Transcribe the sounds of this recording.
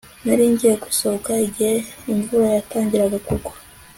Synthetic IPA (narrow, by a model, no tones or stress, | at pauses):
naɾiːɲɟijeku̥sokaiɟeiɱvuɾojataːɲɟiɾaɡakukwḁ